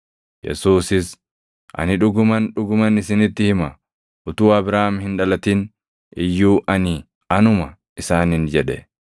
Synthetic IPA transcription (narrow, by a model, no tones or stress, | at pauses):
jɛ̰suːsɪs | ʔɐ̰nɪᶑʊɡʊmɐnᶑʊɡʊmɐnɪsɪnɪt̪ːɪhɪmɐ | ʔʊt̪uːɐbɾaːmhɪnᶑɐlɐt̪ɪn | ʔɪjːuːʔɐnɪ | ɐnʊmɐ | ɪsaːnɪnd͡ʒɛᶑɛ